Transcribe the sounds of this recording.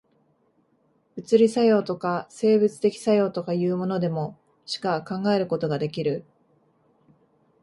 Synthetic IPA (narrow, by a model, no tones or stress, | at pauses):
ɯ̟t͡sɨɾʲisajo̞ːt̪o̞kase̞ːbɯ̟t͡sɨ̥t̪e̞kʲi̥sajo̞ːt̪o̞kajɯ̟ːmo̞no̞d̪e̞mo̞ | ɕi̥kakãŋɡae̞ɾɯ̟ko̞t̪o̞ɡad̪e̞kʲiɾɯ̟